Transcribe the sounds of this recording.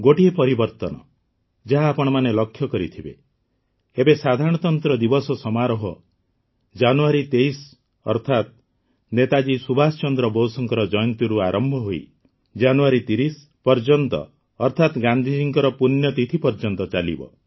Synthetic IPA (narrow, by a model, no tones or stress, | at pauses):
ɡoʈiepɔɾibɔɾt̪ɔnɔ̰ | d͡ʒaɦaːpɔɽ̃ɔmanelɔkʰjɔkɔɾḭt̪ʰibe | ebesad̪ʱaɾɔɽ̃ɔt̪ɔnt̪ɾɔd̪ibɔsɔsɔmaɾɔɦɔ | d͡ʒanuaɾit̪eis | ɔ̰ɾt̪ʰat̪̚ | net̪ad͡ʒisubʱasɔt͡ʃɔnd̪ɾɔbowsɔŋkɔɾɔd͡ʒɔjɔnt̪iɾuaɾʔɔmbʱɔɦoḭ | d͡ʒanuaɾit̪iɾis | pɔɾd͡ʒɔnt̪ɔ̰ː | ɾt̪ʰat̪ɡand̪ʱid͡ʒiŋkɔɾɔpunjɔt̪it̪ʰipɔɾd͡ʒɔnt̪ɔt͡ʃalḭbɔ̰